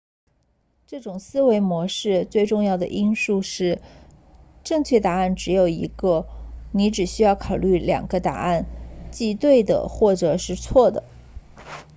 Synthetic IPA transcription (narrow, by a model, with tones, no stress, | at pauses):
ʈ͡ʂɤ˥˩ʈ͡ʂʊ˨˩ŋsɹ̩˥we˧˥ɪmwɔ˧˥ʂɻ̩˥˧t͡swe˥˧ɪʈ͡ʂʊ˥˧ŋjɑ˥˩ʊd̪ə̰˩ʔi˥nʂu˥˧ʂɻ̩˥˩˧ | ʈ͡ʂɤ˥˧ŋt͡ɕʰɥɛ˥˩t̪a˧˥a˥˩nʈ͡ʂɻ̩˧˥jo˨˩ʊḭ˧˥ɡə˧ni˧˥ʈ͡ʂɻ̩˨˩ɕy˥jɑ˥˩ʊkʰɑ˨˩ʊly˥˩ljɑ̰˨˩ŋɡ̥ə˦t̪a̰˨˩a˥˧nt͡ɕi˥˧t̪we˥˩ɪd̪ə̰˩xwɔ˥˩ʈ͡ʂɤ˨˩ʂɻ̩˥˧t͡sʰwɔ˥˩d̪ə̰˩